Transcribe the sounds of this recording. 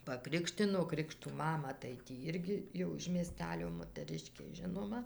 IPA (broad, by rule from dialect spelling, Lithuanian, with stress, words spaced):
pɐˈkrʲɪkʃʲtʲɪnoː ˈkrʲɪkʃtuː ˈmɑːmɐ tɐɪ tʲiː ˈɪrʲɡʲɪ jɛʊ ɪʃ mʲiɛˈsʲtʲæːlʲoː moːtəˈrʲɪʃʲkʲeː ˈʒʲɪnoːmɐ